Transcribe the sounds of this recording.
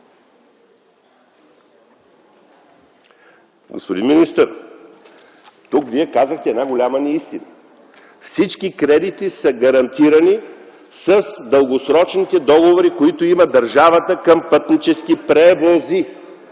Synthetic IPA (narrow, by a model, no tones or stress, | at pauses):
ɡo̰spod̪inminist̪əɾ | t̪ukviɛkazəxt̪ɛːd̪naɡolʲamənɐist̪inə | fsit͡ʃkikɾɛd̪it̪isəɡɐɾɐnt̪iɾɐni | sɐsd̪əlˠɡosɾɔt͡ʃnit̪ɛd̪ɔɡovoɾikoit̪oimɐd̪ɐɾʒavət̪əkəmpɤt̪nit͡ʃɛsk̟ipɾɛvozi